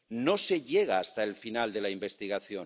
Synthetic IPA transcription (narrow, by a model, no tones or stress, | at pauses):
no̞se̞ʎe̞ɣ̞aːst̪aelfinald̪e̞laimbe̞st̪iɣaθjo̞